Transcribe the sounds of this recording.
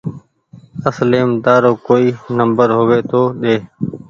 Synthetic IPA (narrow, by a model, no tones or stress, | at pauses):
əsleːmd̪aːɾoːkoːiːnəmbəɾɦoʋeːt̪oːɗeː